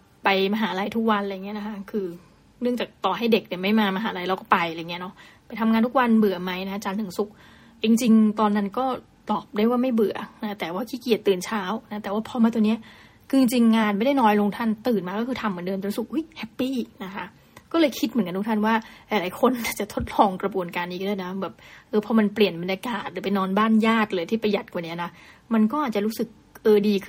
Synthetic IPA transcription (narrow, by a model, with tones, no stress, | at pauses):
pa˧jmaː˧ɦaː˩˦˧a˧jt̪ʰu˦˥k̚wa˧nɾa˧jŋːi˦˥ɐ˨na˦˥kʰa˦˥kʰɯː˧ | nɯ˥˩əŋt͡ɕaː˨˩k̚t̪ɔː˨˩ɦa˥˩jde˨˩k̚ni˧˩ma˥˩jmaː˧maː˧ɦaː˩˦˧ɾa˧jɾa˧wkɔː˥˩pa˧ja˧˨˩ŋːi˦˥˧nɔ˦˥ʔpa˧jt̪ʰa˧mŋa˧nt̪ʰu˦˥k̚wa˧nbɯ˨˩ɐma˦˥jna˦˥a˧t͡ɕaː˧nt̪ːʰɯ˨˩˦ŋsu˨˩k̚ | i˧ŋt͡ɕi˧ŋt̪ɔː˧nːa˦˥nkɔː˥˩ | t̪ɔː˨˩p̚daː˥˩jwaː˥˩ma˥˩jbɯ˨˩ɐna˦˥t̪ɛː˨˩waː˥˩kʰiː˥˩ki˨˩ət̪ːɯː˨˩nt͡ɕʰaː˦˥wna˦˥t̪ɛː˨˩waː˥˩pʰɔː˧maː˧t̪u˧ni˦˥ɐ | kʰɯː˧t͡ɕi˧ŋt͡ɕi˧ŋːaː˧nma˥˩jda˥˩jnɔː˧˥jlo˧ŋt̪ʰa˥˩nt̪ɯː˨˩nmaː˧kɔː˥˩kʰɯː˧t̪ʰa˧mː˨˩˦dɤː˧nt̪su˨˩k̚ʔu˦˥˩jhʰɛ˦˥pːiː˥˩na˦˥kʰa˦˥ | kɔː˥˩lɤː˧jkʰi˦˥m˨˩˦ka˧t̪u˦˥t̪ʰa˥˩nwaː˥˩ɾa˧jlaː˨˦jkʰo˧nːaː˨˩t͡ɕa˨˩t̪ʰo˦˥t̪̚lɔː˧ŋkɾa˧bu˧ənkaː˧nʔiː˨˩dɯː˥˩na˦˥bɛː˨˩p̚ʔɤː˧pʰɔ˧ma˧npli˨˩ənba˧nja˧kaː˨˩t̪̚ɾɯː˩˦pe˧nɔː˧nbaː˥˩njaː˥˩t̪̚lɤː˧jt̪ʰiː˥˩pa˧ja˨˩t̪̚kwa˨˩ni˦˥ɐna˦˥ | ma˧nk̬ɔː˥˩ʔaː˨˩t̪̚t͡ɕa˨˩ɾuː˦˥sɯ˨˩k̚ | ʔɤː˧diː˧kʰɯ˥